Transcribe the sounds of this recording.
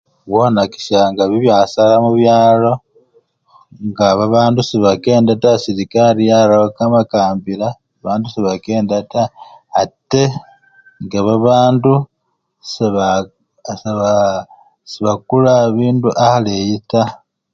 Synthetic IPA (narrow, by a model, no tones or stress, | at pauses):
βwonaki̥ʃaŋɡaβiβjasalamuβjaːlo̞ | ŋɡaβaβaːndusiβake̞ːndatasiɾikaɾijalaokamakaːmbiɾa | aβaːndusiβake̞ːndataː | te | ŋɡaβaβaːndu | seβa | sa | siβak̚ulaβiːnduʔahalejita